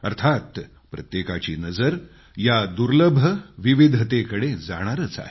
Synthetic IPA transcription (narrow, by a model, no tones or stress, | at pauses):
əɾt̪ʰat̪ | pɾə̰t̪jekat͡ɕḭːnəd͡zəɾ | jad̪uɾləbʱːəʋiʋid̪ʱət̪ekəɽed͡za̰ɽ̃aɾət͡sa̰ɦe